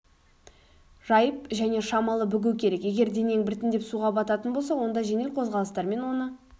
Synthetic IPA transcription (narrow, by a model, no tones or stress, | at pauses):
ʒɑjəp̚ʒæne̞ʃɑmɑlˠəbʏɡʲɪwkʲʰe̞ɾe̞kje̞ɡʲe̞ɾd̪e̞neŋbɪɾt̪ɪnd̪e̞psuʁɑbɑt̪ɑt̪ənbolˠsɑwo̞nd̪ɑʒe̞ne̞lqʰo̞zʁɑlˠəst̪ɑɾme̞nwo̞nə